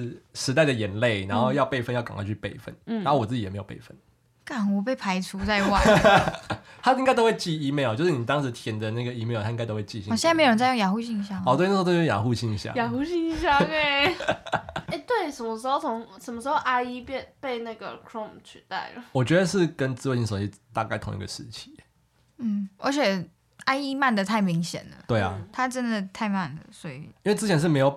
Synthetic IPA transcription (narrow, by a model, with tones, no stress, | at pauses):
ʂɻ̩˧˥t̪a˥˩ɪd̪ə˩jɛ˧˩˥nle˥˩ɪna˧˦nxo˥˧ʊjɑ˥˧ʊpe˥˧ɪfə˥˧njʊka̰˨ŋkʰa˥nt͡ɕʰy˥˧pe˥˧˩ɪfə̰˥˩n̩˥˩a˨˦nxwɔ˨˩t͡sɹ̩˥˩t͡ɕi˨˩e˧˥jo˨˩pḛ˥˩ɪfə˥˩n | ka˨˩nɔ˨˩p̬e˥˩ɪpʰa˧˥ɪt͡sʰu˧˥t͡sa˥˧ɪwa˥˩ɪ | t̪ʰa˥ĩ˧˥ŋkɪo˥ʊwe˥˧ɪt͡ɕi˥˩i˦˥me˥˧ɪɔ˨˩t͡ɕjo˧ʊʂɻ̩˥˩ni˨˩t̪ɑ˥˦ŋʂɻ̩˧˥t̪ʰjɛ˧˥nd̪ə˨na˥˩ɡə˩i˧˥me˥˩ɪ˨t̪ʰa˥ĩ˧ŋ˧a˥ɪt̪o˥we˥˧t͡ɕi˥˧ɕi˧˨ɕjm˧˥o˨˩ə˧˦˥t͡sjŋja˨˩xu˥˧ɕi˥˧ŋi˧˥ɕ̬ja˥˩˨t̪wn˥˧˥jo˥ŋja̰˨˩xu˥˧ɕi˥˩ŋ˨˥ɕja̰˥˨ja˨˩xu˥˧ɕi˥˩ŋi˧˥ɕja˥˧e˥˨ | e˥˧ɪt̪we˥˩ɪʂə˧˨nmə˧˦ʂ̩˧˥xo˥˩ʊt͡sʰʊ˧˦ŋʂə˨˩mə˦ʂɻ̩˧˥xo˥˧ʔa˥ɪi˦pɛ˥˧npe˥˧ɪna˥˩ɡə̰˩kʰɹɔ˥˧mt͡ɕʰy˨˧t̪a̰˥˩ɪlə˩wɔ˨˩t͡ɕɥɛ˧˥d̪ə˨ʂɻ̩˥˩kə˦nt͡sɹ̩˥we˥˧˩ɕi˥˧ŋʂo˨˩t͡ɕi˧˥t̪a˥˧ka˥˩ɪt̪ʰʊ̰˧ŋḭ˧ɡə˨ʂɻ̩˥˩t͡ɕʰi̥˨˩˦ | m̩˥˩ə̰˧˥t͡ɕʰjɛ˨˩ | a˥ɪi˦˥ma˥˩nd̪ə˨˩t̪ʰa˥˩ɪmi˧˥ŋɕjɛ̰˨˩nd̪ə̰˩˦t̪we˥˩ɪa̰˩t̪ʰa˦ʈ͡ʂə˦˥nd̪ə˨t̪ʰa˥˧ɪma˥˩nd̪ə̰˩sɔ˧˥ḭ˨˩i˥nwe˥˩t͡s̩˥t͡ɕʰɛ˨nʂ̬ɻ̩˥˩me˧˥ɪjo˨˩